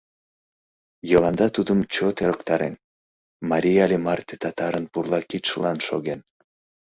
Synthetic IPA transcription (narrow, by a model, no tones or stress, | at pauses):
jɤlɑnd̪ɑt̪ud̪əmt͡ɕot̪eɾəkt̪ɑɾḛn | mɑɾʲijalʲemɑrt̪ʲet̪ɑt̪ɑɾənpurlˠɑkit̪ʃəlɑnʃo̰ɣen